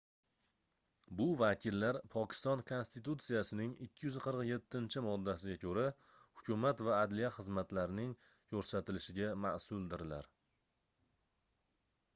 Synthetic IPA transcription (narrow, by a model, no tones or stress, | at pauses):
bʊvakʲʰɪlːaɾpʰɒkʲɪ̥st̪ɒnkʰo̞nst̪it̪ut̪sijasɪnɪŋɪkʲʰːɪjʏzqʰɨɾqje̞t̪ʰːɪnt͡ʃʰɪmɒd̪ːasɪɡʲakʰɵɾa | hʊkʰʲʊmat̪vaːd̪lijaχɨzmat̪laɾɪnɪŋ | kʰɵɾsat̪ɪlɪʃɪɡʲamasʊlˠd̪ɪɾɪla̰ɾ